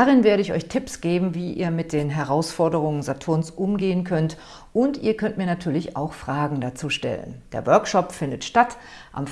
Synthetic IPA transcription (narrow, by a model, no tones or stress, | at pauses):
daʁɪnveːɐɾəɪçɔ̰ʏçtʰɪpsɡ̥eːbm̩viːʔḭːɐmɪt̚d̥eːnɦɛʁaʊsfɔɐdəʁ̞ʊŋənzatʰʊɐnsʔʊmɡeːənkʰœnt | ʔʊntiːɐkʰœntmiːɐnatʰyːɐlɪça̰ʊxfʁ̥aːɡŋ̩dat͡suːʃtɛ̰lə̰nd̥ḛːɐvœɐkʃɔpfɪndətʃtat | ʔa̰m